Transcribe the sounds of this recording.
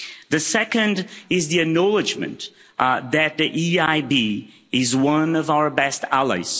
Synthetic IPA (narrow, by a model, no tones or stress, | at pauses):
ðɨsɛkɨ̃ndɪzðiɨk̚nɑlˠɨd͡ʒmɨ̰̃n | ðɨt̪̚ðiʔiaɪbi | ɪzwʌ̃nʌvaʊə˞bɛstælˠa̰ɪz̥